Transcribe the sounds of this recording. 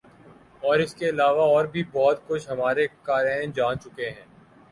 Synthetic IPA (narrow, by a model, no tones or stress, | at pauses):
ɔːɾɪskeɪlaːʋaɔːɾbʱibɔːt̪kʊt͡ʃʰɦɐmaːɾekaːɾãɪ̃d͡ʒaːnt͡ʃʊkeɦɛ̃ː